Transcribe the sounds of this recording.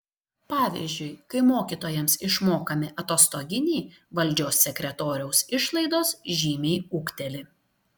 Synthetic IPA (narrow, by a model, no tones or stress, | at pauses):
pɑːʋʲḭːzʲd͡ʒʲʊɪkɐɪmoːkʲiːt̪oːjɛmsɪʃmoːkɐmʲɪʔɐt̪oːst̪oɡʲɪnʲiːʋɐlʲˑd͡ʒʲoːsʲːɛkʲɾʲɛt̪oːɾʲɛʊsɪʃlˠɐɪd̪oːsʒʲiːmʲɛːʊkt̪ʲɛlʲɪ